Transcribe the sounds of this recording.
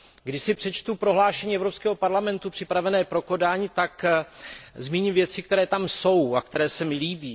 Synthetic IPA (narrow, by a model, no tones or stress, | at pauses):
ɡdɪʃsɪpr̝̥ɛt͡ʃt̪upɾo̞ɦlaːʃɛɲiːɛvɾo̞pskɛːɦo̞paɾlamɛnt̪upr̝̥ɪpɾavɛnɛːpɾo̞ko̞daːɲit̪ak | zmiːɲimvjɛt͡sɪk̚t̪ɛɾɛːt̪amso̞wakt̪ɛɾɛːsɛmɪliːbiː